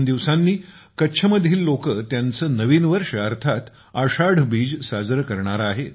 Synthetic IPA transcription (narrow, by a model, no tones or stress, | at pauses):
nd̪iʋsanːiːkətːɕʰəməd̪ʱiːlːokət̪jant͡səːnəʋiːnʋəɾʂəəɾt̪ʰat̪ | aʂaɽ̤biːd͡ʑsad͡zɾəkəɾɳaɾaaɦe